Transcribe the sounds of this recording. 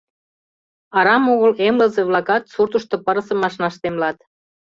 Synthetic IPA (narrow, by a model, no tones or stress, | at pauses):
ɑɾɑmoɣəlemləzeβlɑkɑt̪surt̪əʃt̪opəɾəsə̆mɑʃnɑʃt̪emlɑt̪